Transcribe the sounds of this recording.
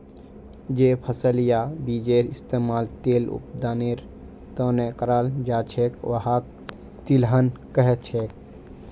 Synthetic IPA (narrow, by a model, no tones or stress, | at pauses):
d͡ʒepʰəsəlijabid͡ʒeɾist̪eːmaːlt̪eːlṵp̚d̪aːneɾ | t̪ə̃nekəɾaːld͡ʒat͡ʃʰekʋəɦa | t̪ilɦənkəɦt͡ʃʰek̚